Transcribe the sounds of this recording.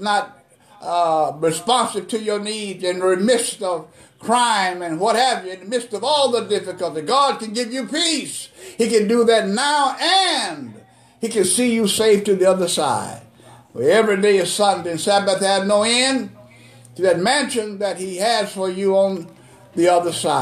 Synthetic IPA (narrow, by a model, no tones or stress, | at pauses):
nət̚ | ɹɨspɑ̃nsɨv̥̚tʰɨjə˞nidɨ̃nɹimɪstʌv̥kʰɹ̥ãɪ̃mɨ̃nwʌt̚hævjɨɨ̃nmɪstʌvɔlˠðədɪfɨkəlˠtiɡɑd̚kɨ̃n̩ɡɪvjɨpishikɨ̃ndɨðɨtⁿnaʊʔɨ̃n | hikɨ̃nsijɨseɪftɨðiʌðə˞sa̰ɪd̥̚ | wə̰ɛvɹideɪɨsʌndɨ̃nsæbɨθɨvnoʊɛ̃n | ðɨt̚mæ̃nʃɨ̃nðɨt̚hiɨz̥fə˞jɨə̃n | ðiʌðə˞saɪ